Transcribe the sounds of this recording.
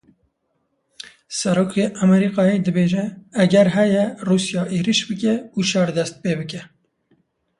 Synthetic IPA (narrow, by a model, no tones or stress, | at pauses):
sɛɾoːkʰeːʔæmɛɾiːqɑːjeːd̪ɨbeːʒɛːɡɛɾɦɛjɛruːsjɑːʔeːɾiʃbɨkɛuːʃɑɾd̪ɛst̪̚peːbɨkɛ